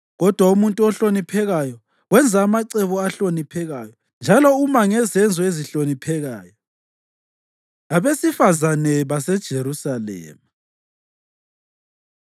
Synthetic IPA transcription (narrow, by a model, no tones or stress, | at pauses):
ɣɔd̥ʱwaumuntʼuɔɬonipʰɛɣajɔ | wɛnd͡zʱaːmaǀɛβɔaɬonipʰɛɣajɔ | nd͡ʒʱalɔumaŋɛzɛnd͡zʱɔeziɬonipʰɛɣaːjɔ | aβesifazanɛβasɛd̥ʒ̥ʱeɾusalɛ̰ːma